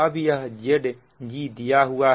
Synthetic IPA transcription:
abijɐɦd͡ʒeɖ | d͡ʒiːd̪ijaːɦuaː

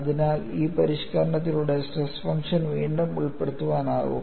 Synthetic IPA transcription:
ɐðinaːliːpɐɾiʂkɐɾɐɳɐt̪ːiluɽesresfɐŋkʂɐnʋiːɳɖumuɭpːeɽut̪ːuʋaːna̰ːɣṵ

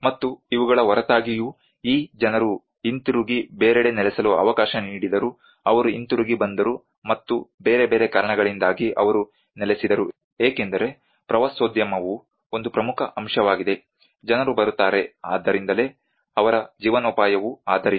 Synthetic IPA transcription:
mɐt̪ːuiʋuɡɐɭɐʋɐɾɐt̪aːɡiju | iːd͡ʒɐnɐɾu | int̪uɾuɡibeːɾeɽenɛlɛsɐluɐ̰ʋɐkaːʃɐniːɽid̪ɐɾu | ɐʋɐɾuint̪uɾuɡibɐnd̪ɐɾu | mɐt̪ːube̞ːɾe̞be̞ːɾe̞kaːɾɐɳɐɡɐɭind̪aːɡiʔɐ̰ʋɐɾu | nɛlesid̪ɐɾu | eːkend̪ɐɾe̞ | pɾɐʋasʋoːd̪jɐmɐʋu | ond̪upɾɐmukʰɐʔɐmʃɐʋaːɡid̪e̞ | d͡ʒɐnɐɾubɐɾut̪ːaːɾe̞aːd̪ːɐɾind̪ɐle̞ː | ɐʋɐɾɐd͡ʒiːʋɐnupaːjɐʋuaːd̪ɐɾ

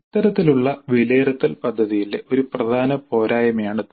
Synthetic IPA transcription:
it̪ːɐɾɐt̪ːiluɭːɐʋileːɾɐt̪ːɐlpɐd̪ʱːɐðijildeʔo̞ɾuprɐd̪ʱaːnɐpo̞ːɾaːjɐmjaːɳɨ

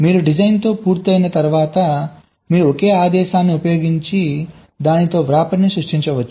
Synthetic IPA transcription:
miːɾuɖid͡ʒɐjnt̪o̞ːpuːɾt̪iɐjnɐt̪ɐɾʋaːt̪ɐ | miːɾuokeːaːd̪ɛːʃaːnːiupɐjo̞ːɡiɲt͡ʃi | d̪aːnit̪o̞ːʋɾaːpɐnːisɾuʂʈiɲt͡ʃɐʋɐt͡ʃːu

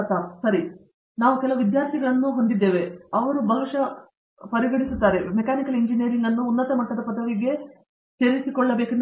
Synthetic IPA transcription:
t̪aːsɐɾi | naːʋukɛlɐʋɐʋid̪jaːɾt̪ʰiɡɐɭɐnːuːɦo̞nd̪id̪ːeːʋeɐʋɐɾubʱɐʋiʂɐ | pɐɾiɡɐɽisut̪ːaːɾe̞mɛkaːnikɐliɲd͡ʒinijɐɾiŋɡɐnːuːnːɐt̪ɐmɐʈːɐd̪ɐpɐd̪ɐʋiɡe̞ | seːɾisikɔɭːɐbe̞ːkun

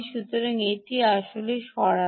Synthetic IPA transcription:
ʃut̪ːoɾaŋeʈiaʃoleʃɔɾa

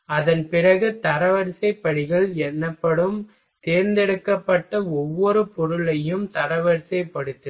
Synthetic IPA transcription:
ɐðɐnpɪrɐɣɯt̪ɐɾɐʋɐɾsɐɪpːɐɽɪɣɐɭɛnːɐpːɐɽɯm | t̪eːɾnd̪ɛɽɯkːɐpːɐʈːɐɔʋːɔɾɯpɔɾɯɭɐjɯmt̪ɐɾɐʋɐɾsɐɪpːɐɽɯt̪ːɯ

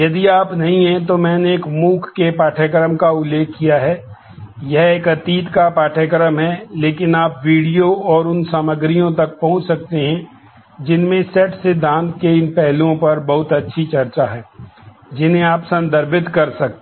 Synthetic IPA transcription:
jɐd̪iaːpnɐɦĩɦɛ̃t̪omɛ̃ːneːkmuːkʰːkepaːʈʰəkəɾəmkaʊlːeːkʰːijaɦɛː | jɛɦeːkɐt̪iːt̪kapaːʈʰəkɾəmɦɛleːkɪnaːpʋiːɽijoɔːɾʊnsaməɡɾijõt̪ɐk̚pɐɦʊ̃t͡ʃsɐk̚t̪eɦɛ̃ | d͡ʒɪnmẽsɛːʈsed̪ãːnt̪keɪnpɛɦlõpɐɾbɐɦʊt̪ɐtːʃʰit͡ʃɐɾt͡ʃaɦɛː | d͡ʒɪnẽaːpsɐ̃nd̪ʱəɾbʱɪt̪kɐɾsɐk̚t̪

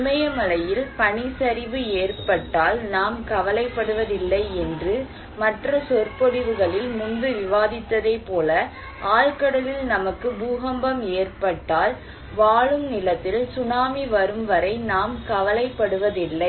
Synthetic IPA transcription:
mɐjɐmɐlɐjɪlpɐɳɪsɐɾɪʋɯeːrpɐʈːaːlnaːmkɐʋɐlɐɪpːɐɽɯʋɐðɪlːɐɪɛndrɯ | mɐʈrɐsɔrpɔɽɪʋɯɣɐɭɪlmʊnd̪ɯʋɪʋaːðɪt̪ːɐðɐɪpoːlɐ | aːɻkɐɽɐlɪlnɐmɐkːɯbuːɣɐmbɐmeːrpɐʈːaːl | ʋaːɭɯmnɪlɐt̪ːɪlsʊnaːmiʋɐɾɯmʋɐɾɐɪnaːmkɐʋɐlɐɪpːɐɽɯʋɐðɪlːɐɪ

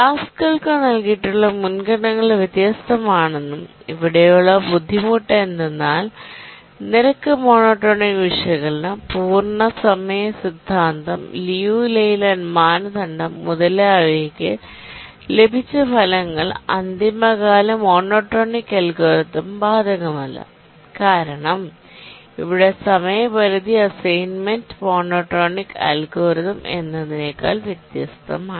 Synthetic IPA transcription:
ʈaːskɐɭkɨnɐlkijːʈːuɭːɐmunɡɐɳɐŋːɐɭʋjet̪jaːst̪ɐmaːɳenːumiʋiɽɐjuɭːɐbud̪ʱːimuːʈːɐend̪enːaːl | niɾɐkːɨmo̞ːnoːʈːoːniʋiʂɐɣɐɭnɨpuːrɳɐsɐmɐjɐsid̪ʱːaːnd̪ɐmlijuːlejlɐnmaːnɐt̪ɐɳɖɐmːuðɐlɐʋeːkːɨ | le̞bʱit͡ɕːɨpʰɐlɐŋːɐɭɐ̰nd̪imɐɣaːlɐmo̞ːnoːʈːoːnikːɐlɡo̞ːɾiðɐmbaːd̪ʱɐɣɐmɐlːɐ̰ | kaːɾɐɳɐm | ḭʋiɽe̞sɐmɐjɐʋɐɾid̪iɐsɐjnmendmo̞ːnoːʈɾoːnikːɐ̰lɡo̞ːɾiðɐmʔe̞̰nːɐðine̞ːkːa̰ːlʋjet̪jɐ̰st̪ʰɐ̰maː

